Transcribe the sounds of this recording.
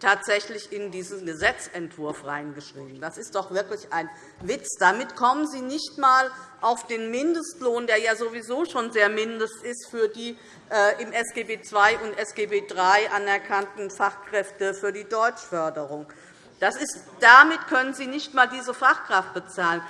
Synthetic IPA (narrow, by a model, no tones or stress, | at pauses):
tʰaːtz̥ɛçlɪçɪndiːzn̩ɡəzɛt͡sɛntv̥ʊɐfʁaɪnɡəʃʁ̥ḭːbm̩d̥asɪst̚d̥ɔχv̥ɪɐklɪçʔaɪn | vɪt͡sd̥amɪtkʰɔmənziːnɪçtmaːlʔaʊfd̥eːnmɪndəstloːndeːɐjaːzovizoːʃoːnzeːɐmɪndəstɪstfyːɐdiː | ʔɛːʔɪmɛsɡ̥eːbeːt͡sv̥aɪʔʊntʔɛsɡ̥eːbeːdʁaɪʔanɛɐkʰantn̩faχkʁ̥ɛftəfyːɐdiːdɔʏt͡ʃfœɐdəʁ̞ʊŋ | d̥asɪst | d̥amɪtkʰœnənziːnɪçtmaːldiːzəfaχkʁ̥aft̚b̥ət͡saːlən